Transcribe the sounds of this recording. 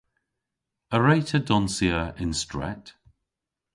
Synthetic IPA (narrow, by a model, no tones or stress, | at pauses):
əɹejtʰədɔnsiəɹɪnstɹɛ̰t